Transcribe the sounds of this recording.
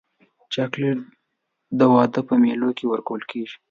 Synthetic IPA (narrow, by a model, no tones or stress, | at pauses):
t͡ʃɑkleʈ | d̪əwɑd̪əpəmelokewəɾkawəlkeʒi̥